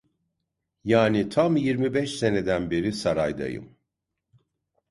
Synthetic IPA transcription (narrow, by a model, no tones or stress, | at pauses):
jaːnit̪ʰamjiɾmibɛʃse̞ne̞d̪ænbeɾisaɾajd̪a̰jɯ̰m